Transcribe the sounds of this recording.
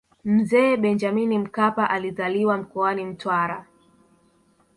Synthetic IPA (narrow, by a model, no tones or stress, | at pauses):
m̩zɛːɓɛnd͡ʒaminim̩kapaʔaliðaliwam̩kɔanim̩twaɾa